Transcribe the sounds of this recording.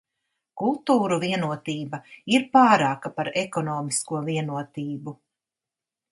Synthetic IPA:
kulˠt̪uːɾuviɛnuɔt̪iːbaiɾpaːɾaːkapaɾɛkɔnɔːmiskuɔviɛnuɔt̪iːbu

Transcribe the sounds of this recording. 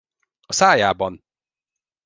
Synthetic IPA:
ɒsaːjaːbɒn

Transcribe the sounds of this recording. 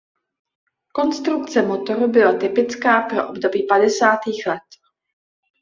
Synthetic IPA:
ko̞nst̪ɾuk̚t͡sɛmo̞t̪o̞ɾubɪlat̪ɪpɪt͡skaːpɾo̞̰ʔobdo̞biːpadɛsaːt̪iːxlɛt̪

